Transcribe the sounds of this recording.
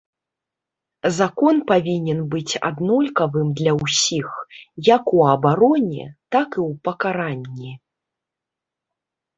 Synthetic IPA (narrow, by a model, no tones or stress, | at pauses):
zakɔnpavʲinʲɛnbɨt͡sʲa̰d̪nɔlʲkɐvɨmd̪lʲɐwsʲixjakuɐbaɾɔnʲɛ̰t̪akɨwpɐkaɾanʲːi